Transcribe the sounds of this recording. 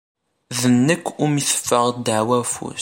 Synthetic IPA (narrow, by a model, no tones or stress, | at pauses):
ðənːəkːʊmiθə̥fːəʁd̪əʕwæfṵs